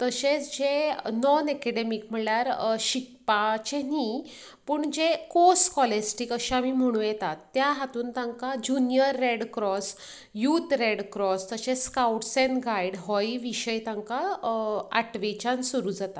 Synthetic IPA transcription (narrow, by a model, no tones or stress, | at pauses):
t̪əɕet͡sd͡ʑenɔnɛkɛɽemikm̤əɭljaɾɕik̚pat͡ɕeni | puːɳd͡ʑekoskɔlesʈikəɕaamim̤əɽ̃ũːjɛt̪at̪ːjaɦat̪uːnt̪ãŋkad͡ʑunjəɾːeɽkɾɔs | jut̪ɾeɽkɾɔst̪əɕẽskawʈsenɡaiɽɦɔjiʋiɕəjt̪ãŋka | a̰ʈʋet͡ɕansuɾuːd͡zat̪a